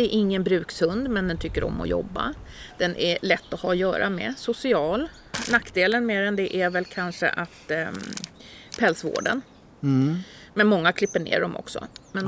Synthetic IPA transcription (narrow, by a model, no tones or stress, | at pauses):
ɛɛɾʔɪŋːənbɾʉ̟ːkshɵnd̪mɛnd̪ɛnt̪ʰʏkːəɾɔ̰mːɔ̰jɔ̰bːa̰d̪̥ɛnʔælɛt̪ːɔhɑːjœ̰ːɾa̰mɛ̰sʊsɪɑːl | nakːd̪eːlənmeːɾɛnd̪ɛʔæɾvɛlkʰanʂə̰ʔat̪ | pʰɛlsvo̰ːɖə̰n | mɛnmɔŋːakʰlɪpːəɳḛːɖɔmʔɔ̰ksɔ̰mɛn